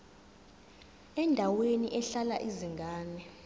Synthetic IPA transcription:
ɛndʱaweniʔɛɬalaʔiziŋɡʱaːnɛ

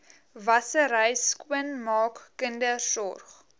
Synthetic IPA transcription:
vɐsəɾəjskuənmɑːkːəndərsɔrχ

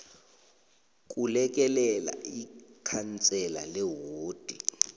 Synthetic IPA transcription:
k̬ʼulɛk̬ʼɛlɛla̰ikʰant͡sʼɛla̰lɛɦoːd̥ʱi

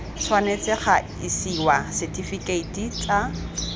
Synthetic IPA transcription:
t͡sʰwanet͡sʼɪχa | isiwasɛtʼifikʼeitʼit͡sʼa

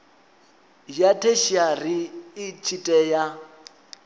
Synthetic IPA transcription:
jatʰeʃiariːt͡ʃʰitʼɛja

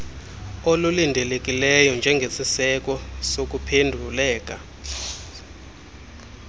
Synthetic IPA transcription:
olulindʱɛlek̬ʼilɛjɔnd͡ʒʱɛŋɡʱesisɛk̬ɔsok̬upʰendʱulɛːk̬ʼa

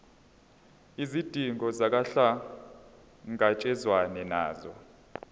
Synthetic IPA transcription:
izid̥ʱiŋɔzak̬ʼaɬa | ŋat͡ʃʼɛzwanɛna̰ːzɔ̰

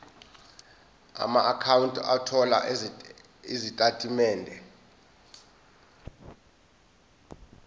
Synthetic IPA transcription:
a̰maʔakʰawuntʼa̰tʰɔla̰ | izitʼatʼimɛːndʱɛ

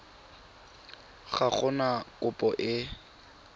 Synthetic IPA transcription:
χaχʊnakʼʊpʼɔʔɪ

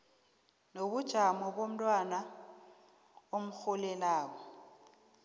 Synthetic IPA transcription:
nobʊd̥ʒ̥ʱamɔbom̩lʼwana | omʊk͡xʊlɛlaːɔ

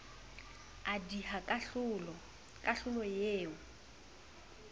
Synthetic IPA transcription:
adihakʊlɔ | kʼaɬʊlɔjeːʊ

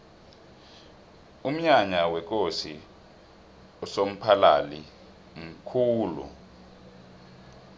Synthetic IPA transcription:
um̩ɲaɲawɛk̬ʼosi | ɔsom̩pʰala̰li | m̩kʰuːlṵ

